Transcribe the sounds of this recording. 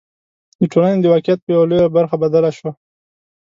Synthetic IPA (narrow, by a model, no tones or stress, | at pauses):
d̪əʈʰolaned̪əwɑkijat̪̚pəjawalojabaɾxabad̪alaʃwa